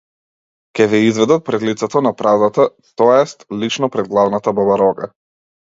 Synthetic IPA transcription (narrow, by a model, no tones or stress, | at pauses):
kʲɛvɛizvɛd̪at̪̚pɾɛd̪lit̪sɛt̪ɔnapɾavd̪at̪a | t̪ɔɛst̪lit͡ʃnɔpɾɛd̪̚ɡlˠavnat̪ababaɾɔɡa̰